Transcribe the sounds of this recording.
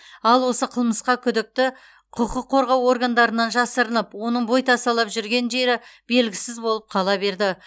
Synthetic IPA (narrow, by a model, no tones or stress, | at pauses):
ɑlˠwo̞səqʰəlˠməsqɑkʲʰʏd̪ɪk̚t̪ɪ | qʰʊqəqʰːo̞ɾʁɑwo̞rɡand̪ɑɾənɑnʒɑsəɾənəpwo̞nəɴbo̞jt̪ʰɑsɑlˠɑpʒʏɾɡʲe̞nʒe̞ɾɪb̥e̞lɡʲɪsɪzbo̞lˠəp̚qʰɑlˠɑbe̞ɾd̪ɪ